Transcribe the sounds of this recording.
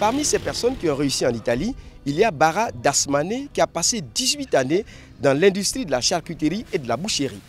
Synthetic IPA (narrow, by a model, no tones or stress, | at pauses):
paʁmisɛpɛʁsɔnkʲiɔ̃ʁeysiɑ̃nit̪aliːljabaʁad̪asmanekʲiapased̪izɥit̪ane | d̪ɑ̃lɛ̃d̪yst̪χid̪əlaʃaʁkyt̪eʁied̪əlabuʃeʁi